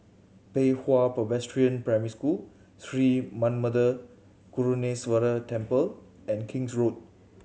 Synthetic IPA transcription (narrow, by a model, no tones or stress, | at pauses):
pehwapəbɛstɹiə̃npɹajmiɾiskul | tɹimãnmədə | kuɹuneswəɾətɛ̃mpəl | ɛ̃nkʰĩŋsɹot̚